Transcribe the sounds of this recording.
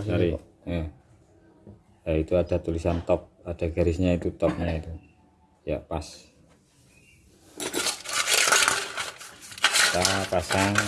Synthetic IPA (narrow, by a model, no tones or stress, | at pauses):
aɾi | ja | jait̪uad̥a̤t̪ulisant̪ɔp̚ad̥a̤ɡaɾɪsɲait̪ut̪ɔp̚ɲait̪u | ja̰pas | t̪apasaŋ